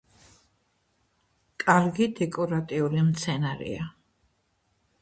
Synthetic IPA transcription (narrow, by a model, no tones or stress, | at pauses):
kʼaɾɡid̪ɛkʼɔɾat̪ʼiulimt̪sʰɛnaɾɛ̰a